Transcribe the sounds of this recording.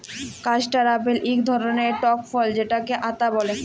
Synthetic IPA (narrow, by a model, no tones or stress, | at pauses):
kat͡ɕʈaɾapelʔikd̪ʱɔɾoneɾʈɔkfɔld͡ʑeʈakeʔat̪abɔle